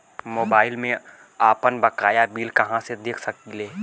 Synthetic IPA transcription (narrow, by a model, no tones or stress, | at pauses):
moːbaːɪlmẽ | aːpənbɐkaːjabiːlkɐɦãsed̪eːkʰsɐk̚ileː